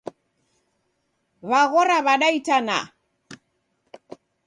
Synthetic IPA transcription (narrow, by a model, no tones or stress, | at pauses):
βaɣɔɾaβaɗaitana̰